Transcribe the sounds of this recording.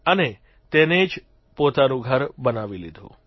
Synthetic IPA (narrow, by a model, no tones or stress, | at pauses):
əne | t̪ened͡ʒ | pot̪anũɡʱəɾbənaʋilḭd̪ʱṵ̃